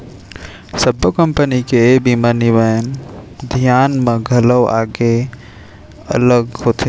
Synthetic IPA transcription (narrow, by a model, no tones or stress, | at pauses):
səbʱəkə̃mpənikebimanɪʋəjənd̪ʱijaːnmẽɡʱələwa̰ːɡe | ɐ̰ləɡhoːt̪ʰe